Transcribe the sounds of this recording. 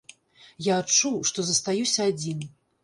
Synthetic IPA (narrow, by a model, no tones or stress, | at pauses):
jaːt͡ʂuʂt̪ɔzɐst̪ajusʲɐad͡zʲin